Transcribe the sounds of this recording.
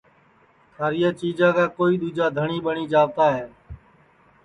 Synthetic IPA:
t̪ʰaːɾɪjaːt͡ʃiːd͡ʒãːkaːkoːiːɗ̪uːd͡ʒaːd̪ʱəɳiːɓəɳiːd͡ʒaːʋt̪aːɦɛː

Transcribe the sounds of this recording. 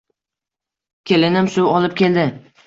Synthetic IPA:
kʲʰe̞lɪnɪmsʊwɒlɪp̚kʲe̞ld̪ɪ

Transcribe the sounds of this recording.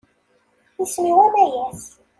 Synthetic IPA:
jismiwæmæjæs

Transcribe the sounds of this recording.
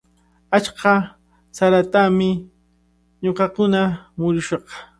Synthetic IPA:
at͡ʃɢɑ | saɾat̪amɪ | ɲoqɑkʊnamʊɾʊʃɑq

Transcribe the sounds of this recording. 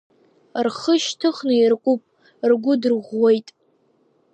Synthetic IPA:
rχəʃtʰɨχnɨirkʷʼʊpʼ | rɡʷʊdɨrʁʷːejtʼ

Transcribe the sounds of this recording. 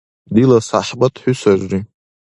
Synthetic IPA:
dilasaħbatʰħʊsaʒʷri

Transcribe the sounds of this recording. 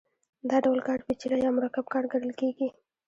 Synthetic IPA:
d̪ɑɖawlkɑʈ̚pet͡ʃiɾajɑmʊɾakab̚kɑɽɡaɽəlkeɡi

